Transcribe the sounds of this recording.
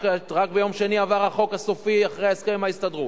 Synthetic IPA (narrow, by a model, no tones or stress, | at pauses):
keʁakbejo̞mʃeniavaʁaχo̞kasufiaχʁejeskemaistadʁu